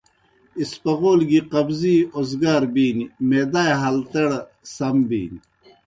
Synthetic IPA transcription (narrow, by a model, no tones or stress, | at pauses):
ispɐʁoːlɡiqɐbziozɡaːɾbiːnimeːd̪aːjɦɐlt̪ɐɽ | sɐmbḭːni